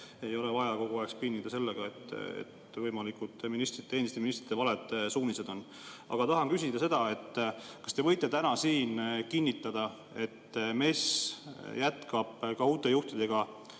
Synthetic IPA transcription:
e̞jo̞le̞vɑjɑko̞ɡ̥oɑekspinʲːid̪ɑse̞lːeɡ̥ɑe̞t̪ːḛt̪ | vɤjmɑlikut̪minist̪rit̪ːe̞ːnist̪eminist̪rit̪ːvɑled̪ˑsuːnise̞d̪o̞nː | ɑ̰ɡ̥ɑt̪ɑɦɑnkysid̪̥ɑse̞d̪ɑe̞t̪ːˑkɑst̪e̞vɤ̞jt̪ːˑe̞t̪ænɑsiːnkinʲːit̪ːˑɑd̪̥ɑ | e̞t̪ːme̞sjæt̪kɑb̥kɑuːt̪ːˑe̞juht̪id̪̥e̞ɡ̥ɑ

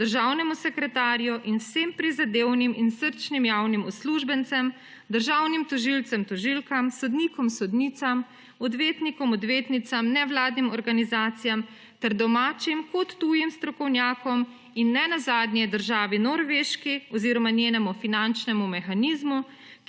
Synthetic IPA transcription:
d̪əɾʒawnɛmusɛkɾɛt̪aːɾjɔʔinwsempɾizad̪eːwniminsəɾt͡ʃnimjaːwnimɔsluʒbɛnt̪sɛm | d̪əɾʒaːwnimt̪ɔʒilt̪sɛmt̪ɔʒilkamsɔd̪niːkɔmsɔd̪nit̪sam | ɔd̪ʋeːt̪nikɔmɔd̪ʋeːt̪nit̪samnɛʋlaːd̪nimɔɾɡanizaːt̪sijam | t̪ɛɾd̪ɔmaːt͡ʃimkɔt̪ːuːjimst̪ɾɔkɔwnjaːkɔm | inːɛnazaːd̪njɛd̪əɾʒaːʋinɔɾʋeʃkiɔziɾɔmanjeːnɛmufinant͡ʃnɛmumɛxaniːzmu

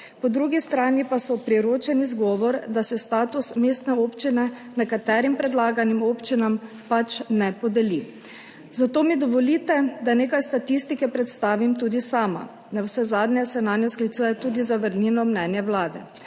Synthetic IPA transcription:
pɔd̪ɾuɡist̪ɾaːnipasɔpɾiɾoːt͡ʃɛnizɡɔːʋɔɾd̪asɛst̪aːt̪usmeːst̪nɛopt͡ʃinɛnɛkat̪ɛːɾimpɾɛd̪laːɡanimoːpt͡ʃinam | pat͡ʃnɛpɔd̪ɛli | zat̪oːmid̪ɔʋɔliːt̪ɛd̪aneːkajst̪at̪ist̪ikɛpɾɛt̪st̪aːʋimt̪uːd̪isaːma̰ | nɛwsɛzaːd̪nɛsɛnanɛsklit̪suːjɛt̪uːd̪izaʋəɾniːnɔmnɛːnjɛwlaːd̪ɛ

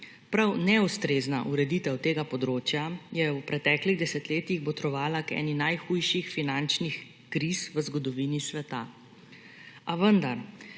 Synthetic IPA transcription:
pɾawnɛust̪ɾeznaʔuɾɛd̪it̪ɛwt̪eːɡapɔd̪ɾoːt͡ʃjajɛwpɾɛt̪ɛːkliɣd̪ɛsɛt̪leːt̪iɣbɔt̪ɾɔʋaːlakɛ̰ːninajxujʃixfinant͡ʃnix | kɾisʋəzɡɔd̪ɔʋiːnisʋɛt̪a̰ | aʋənd̪aɾ

